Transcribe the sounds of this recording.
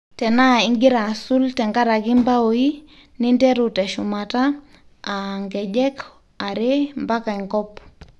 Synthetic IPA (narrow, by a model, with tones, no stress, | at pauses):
tɛ˨na˦i˦ŋɡi˦ɾa˨su˦ltɛ˨ŋɡa˦ɾa˨ki˦mba˦o˨i˦ | ni˦ndɛ˦ɾutɛ˨ʃuma˨ta | aŋɡɛ˨d͡ʒɛ˦k | a˨ɾembaka˨iŋkɔp